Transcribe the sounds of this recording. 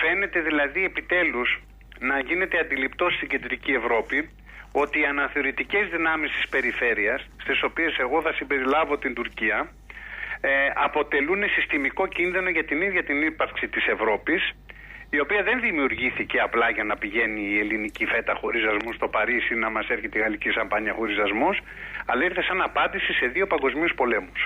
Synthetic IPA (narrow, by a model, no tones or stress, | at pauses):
fe̞ne̞t̪e̞ðilɐðie̞pit̪e̞luz | nɐʝine̞t̪e̞ɐnd̪ilipt̪o̞st̪iɟe̞nd̪ɾicievɾo̞pi | o̞t̪iːɐnɐθe̞o̞ɾit̪ice̞zðinɐmist̪i̥spe̞ɾife̞ɾiɐsst̪iso̞pie̞se̞ɣo̞θɐsimbe̞ɾilɐvo̞t̪ind̪uɾciɐ | ɐpo̞t̪e̞lune̞sist̪imiko̞cinðino̞ʝɐt̪iniðʝɐt̪inipɐɾksit̪ise̞vɾo̞pisio̞piɐðe̞nðimiuɾʝiθiceɐplɐʝɐnɐpiʝe̞niːe̞linicife̞t̪ɐxoɾizɐzmust̪o̞pɐɾisinɐmɐse̞ɾçet̪iɣɐlicisɐmpɐɲiɐxoɾizɐzmus | ɐ̰lɐiɾθesɐnɐpɐnd̪isise̞ðio̞pɐŋɡo̞zmiuspo̞le̞mus